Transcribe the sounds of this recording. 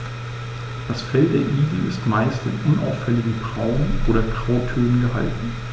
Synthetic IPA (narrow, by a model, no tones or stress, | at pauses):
d̥asfɛlt̚d̥eːɐʔiːɡl̩ɪ̰stmaɪstɪnʔʊnʔa̰ʊffɛlɪɡŋ̩ɡʁaʊnʔoːɾɐɡʁ̥aʊtʰøːnənɡəɦaltn̩